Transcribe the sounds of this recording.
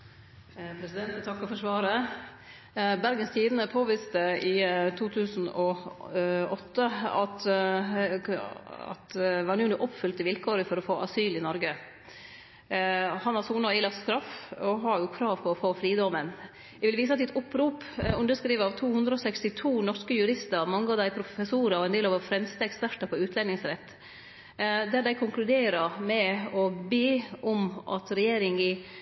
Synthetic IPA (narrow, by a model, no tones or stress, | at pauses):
pʰɾɛsɪd̪ɛnt̪ət̪ʰɑkːɔfɔʂʋɑːɾə | bæɾɡənst̪ʰiːd̪ənəpʰoːʋɪst̪əɪt̪ʰuːt̪ʰʉːsn̩ɔ | ɔt̪ːəɑ̰t̪ | ɑ̰t̪ʋɑɾnuːnuːʔɔpfʏlt̪ɪʋɪlkʰoːɾəfɔɾɔfoːʔɑsyːlɪnɔɾɡə | hɑnhɑɾsuːnɑɪlɑt̪st̪ɾɑfɔɦɑɾjʊkʰɾɑːʋpʰɔɾɔfoːfɾiːd̪ɔmən | æʋɪlʋiːs̬əɑt̪̚d̪ɪt̪ʊpːɾuːp | ʉnd̪əʂkɾiːʋəɾɑʋt̪ʰuːhʉnd̪ɾəɔsɛkst̪ɪt̪ʰuːnɔɾʂkəjʉɾɪst̪əɾmɑŋːɑʋd̪æɪpʰɾʊfəsuːɾɑɔɛnd̪eːlɑʋəfɾɛmst̪əɛkspæʈɑpʰɔʉːt̪lɛnɪŋsɾɛt̪ː | d̪æɾd̪æɪkʰʊŋklʉd̪eːɾəmɛɔbeːʔɔmʔɑ̰t̪ɾɛjeːɾɪŋɪ